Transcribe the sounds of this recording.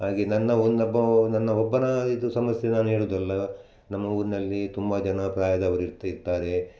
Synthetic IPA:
haːɡenɐnːɐond̪ɐbːɐnɐnːɐɔbːɐnɐid̪usɐmɐsjenaːnuɦeːɭuːd̪ɐlːɐ | nɐmːɐuːɾinɐlːit̪umbɐd͡ʒɐnɐpɾaːjɐd̪ɐɐʋɐɾiɾt̪ːɐiɾt̪ːaːɾe̞

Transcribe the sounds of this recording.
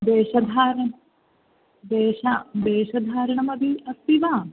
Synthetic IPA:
d̪eːʃɐd̪ʱaːɾɐɳ | d̪eːʃad̪eːʃɐd̪ʱaːɾɐɳɐmɐd̪ʱiɐst̪iʋaː

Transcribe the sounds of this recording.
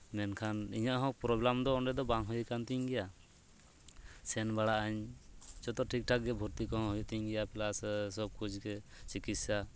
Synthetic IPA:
mɛnkʰanḭɲaʔɦɔ̃k̚pɾɔblamd̪ɔːɳɖɛd̪ɔbaŋɦɔjkant̪iɲɡɛja | sɛnbaɽaʔaɲt͡ʃɔt̪ɔʈʰik̚ʈʰakɡɛbʱɔɾt̪ikɔɦɔ̃ɦɔjt̪iɲɡɛjapɛlassɔb̚kut͡ʃɡɛt͡ʃikit̪ssa

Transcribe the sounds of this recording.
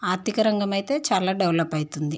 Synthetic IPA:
aːɾt̪ikɐɾɐŋɡɐmɐjt̪e̞ːt͡ʃaːlaːɖɛwlɐpɐjt̪und̪i

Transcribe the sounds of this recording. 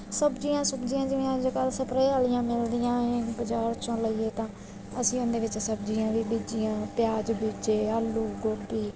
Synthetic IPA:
səbd͡ʒijãːsəbd͡ʒijãːd͡ʒɪʋĩãːd͡ʒkəlsəpɾeːaːlɪjãːmɪld̪ijãːbəd͡ʒaːɾt͡ʃõːləiːeːt̪ãː | əsĩːʊ̃nd̪eːʋɪt͡ʃsəbd͡ʒiːãːʋiːbiːd͡ʒɪjãːpjaːd͡ʒbiːd͡ʒeːaːlːuːɡobiː

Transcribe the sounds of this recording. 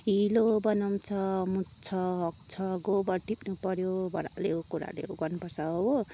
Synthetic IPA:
ɦilobʌnaw̃t͡sʰʌmut͡sʰʌɦʌk̚t͡sʰʌɡobʌɾʈʰipnupʌɾjobʱʌɾa̰leɦokuɾa̰lḛoɡʌnpʌsao

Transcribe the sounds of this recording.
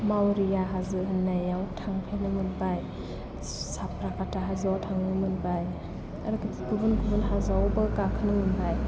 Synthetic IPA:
mawɾijaɦazɯɦɯnːajawtʰaŋpʰenɯmɯnbaj | sapʰɾakʰataɦazawtʰaŋnɯmɯnbaj | a̰ɾɯkɯtʰikubɯnkʰubɯnɦazawbɯkakʰɯnɯmɯnbaj

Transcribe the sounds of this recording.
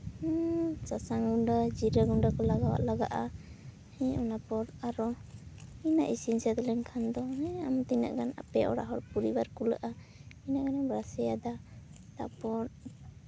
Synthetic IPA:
sasaŋɡuɳɖad͡ʒiɾəɡuɳɖakɔlaɡawa̰ʔlaɡaʔa | hɛɔnapɔɾaɾɔ | ina̰ʔisinsad̪ɔlɛɲkʰand̪ɔɦɛamt̪ina̰ʔɡana̰pɛɔ̰ɽa̰ɦɔɾpuɾibaɾkuləʔa | inaʔɡanabɾasɛjad̪at̪a̰ʔpɔɾ

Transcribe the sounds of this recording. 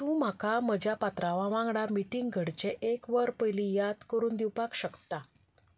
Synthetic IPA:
t̪ũːm̤akam̤əd͡ʑjapat̪ɾaʋaʋãŋɡɽamiʈiŋɡɡʱəɽt͡ɕeʔekʋəɾpəjlijad̪kəɾuːnd̪iwpakɕəkt̪a

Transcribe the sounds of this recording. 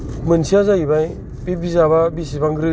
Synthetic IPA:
mɯnsiazaibaj | bibizaβabisibaŋɡɾɯ

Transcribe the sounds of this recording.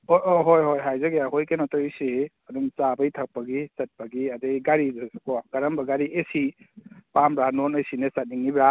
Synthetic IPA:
ooɦojɦojɦajzɐɡejaɦojkenɔtɔɾiseɐdumt͡ʃabɐjtʰak̚pɐɡisɐt̚pɐɡiɐdejɡaɾidɯakɔɡ̥aɾɐmbɐɡaɾiʔesi | pambɾanonɔjsinesɐt̚niŋːibɾa

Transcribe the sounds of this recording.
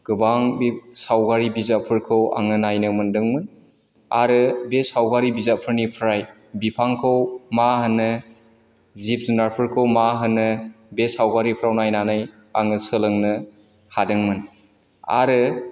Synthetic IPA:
ɡ̥ɯbaŋbsawɡaɾibizapʰɯɾkʰɯwa̰ŋɯnajnɯmɯndɯŋmɯn | a̰ɾɯbesawɡaɾibizapʰɯɾnipʰɾaj | bipʰaŋkʰɯwmaɦɯnːɯ | zip̚zunaɾpʰɯɾkʰɯwmaɦɯnːɯ | besawɡaɾipʰɾawnajnanɯj | a̰ŋɯsɯlɯŋnɯ | hadɯŋmɯn | a̰ɾɯ

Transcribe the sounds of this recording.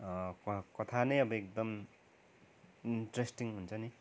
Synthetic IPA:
ʌkkʌt̪ʰanejʌbʌek̚d̪ʌm | inʈɾesʈiŋɦunt͡sʰʌni

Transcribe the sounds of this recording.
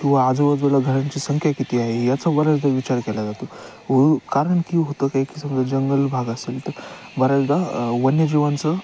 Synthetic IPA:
kĩw̃ʋaːd͡zəʋəd͡zʋəlaɡʱəɾãɲt͡ɕiːsəŋkʰjakit̪iːaɦejat͡sabəɾad͡zd̪aʋit͡ɕaɾkɛlad͡zat̪o | ʋokaɾəɳkiːɦot̪əkaɦikisəmd͡zəd͡ʑəŋɡəlbʱaɡəselt̪əɾ | bəɾad͡zd̪aʋənjəd͡ʑiʋant͡sə

